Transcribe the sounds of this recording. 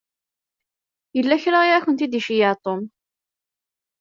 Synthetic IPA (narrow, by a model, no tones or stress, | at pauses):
jəlːæçɾaiʁaçənt̪id̪iʃijɑʕt̪ˤom